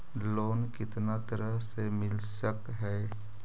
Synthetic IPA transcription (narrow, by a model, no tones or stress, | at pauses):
loːnkɪt̪nat̪əɾəɦsemɪlsək | ɦɛː